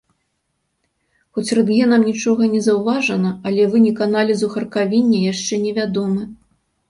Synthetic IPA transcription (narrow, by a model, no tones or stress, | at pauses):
xɔt͡sʲrɨd̪ɣʲɛnɐmnʲit͡ʂɔɣɐnʲɛzɐwvaʐɐnɐɐlʲɛvɨnʲɛkanalʲizuxɐrkavʲinʲːɐjaʂt͡ʂɛnʲɛvʲad̪ɔmɨ